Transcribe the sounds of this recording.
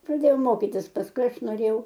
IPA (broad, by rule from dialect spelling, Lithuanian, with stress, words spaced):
prɐˈdʲeːjɛʊ ˈmoːkʲiːtʲɪs pɐsˈkʊɪ ˈɐʃ noːˈrʲeːjɛʊ